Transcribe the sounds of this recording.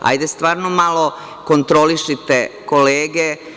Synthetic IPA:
a̰jd̪est̪ʋaːɾnomalo̞ | kont̪ɾoliʃit̪ekoleːɡe

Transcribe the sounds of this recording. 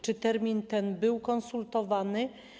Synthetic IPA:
t͡ʂɘt̪ɛɾmʲint̪ɛnbɘwkɔnsult̪ɔvanɘ

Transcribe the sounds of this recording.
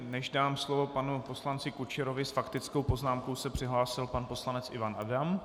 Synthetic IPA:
nɛʒdaːmslovo̞panupo̞slant͡sɪkut͡ʃɛɾovɪsfakt̪ɪt͡sko̞wpo̞znaːmko̞wsɛpr̥ɪɦlaːsɪlpanpo̞slanɛt͡sɪ̰vanʔadam

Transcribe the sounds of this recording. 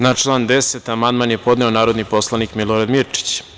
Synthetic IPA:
nat͡ʃlˠaːnd̪eset̪amand̪maːnjepo̞d̪neonaːɾo̞d̪nipo̞slˠanikmiloɾad̪miɾt͡ʂi̥t͡ɕ

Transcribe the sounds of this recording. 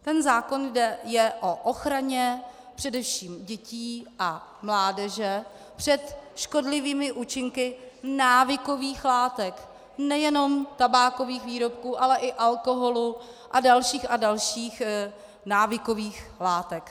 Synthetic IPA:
t̪ɛnzaːko̞njdɛjɛʔo̞ʔoxɾaɲɛ | pr̥ɛdɛfʃiːmɟɛciːʔamlaːdɛʒɛ | pr̝̥ɛt̪ʃko̞dlɪviːmɪʔuːt͡ʃɪŋkɪnaːvɪkoviːxlaːt̪ɛk | nɛjɛno̞mt̪abaːko̞viːxviːɾo̞pkuːʔalɛʔɪʔalkoɦo̞luʔadalʃiːxadalʃiːx | naːvɪko̞viːxlaːt̪ɛk

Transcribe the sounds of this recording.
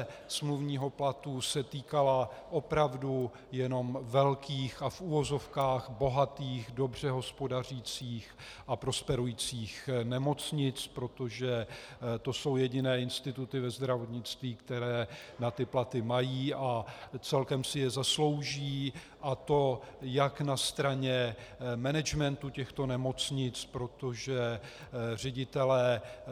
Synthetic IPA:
smluvɲiːɦo̞plat̪usɛt̪iːkalaʔo̞pɾavdu | jɛno̞mvɛlkiːxafʔuvo̞zo̞fkaːxbo̞ɦat̪iːxdo̞br̝ɛɦo̞spo̞dar̝iːt͡siːx | ʔapɾo̞spɛɾujiːt͡siːxnɛmo̞t͡sɲɪt͡spɾo̞t̪o̞ʒɛt̪o̞so̞wjɛɟɪnɛːɪnst̪ɪt̪ut̪ɪvɛzd̪ɾavo̞t̪ɲɪt͡st̪viːkt̪ɛɾɛːnat̪ɪplat̪ɪmajiːʔat͡sɛlkɛmsɪjɛzaslo̞wʒiː | ʔat̪o̞jaknast̪ɾaɲɛmɛnɛd͡ʒmɛnt̪ucɛxt̪o̞nɛmo̞t͡sɲɪt͡spɾo̞t̪o̞ʒɛ | r̝ɛɟɪt̪ɛlɛː

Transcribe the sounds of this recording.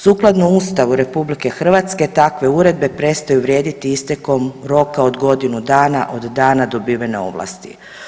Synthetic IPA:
suːklˠad̪nuust̪aʋuɾe̞publike̞xr̩ʋat̪ske̞t̪akʋe̞uɾe̞d̪be̞pɾe̞st̪ajuʋɾje̞ːd̪it̪iist̪e̞ko̞mɾo̞kao̞d̪ɡo̞d̪inud̪aːnaʔo̞d̪d̪aːnad̪o̞biːʋeneo̞̰ʋlˠa̰st̪ḭ

